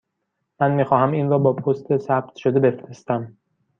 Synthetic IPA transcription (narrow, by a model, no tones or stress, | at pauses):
mænmiːxɒːhæmiːnrɒːbɒːpʰost̪ʰesæb̚t̪ʰʃod̪ebe̞fɾest̪æm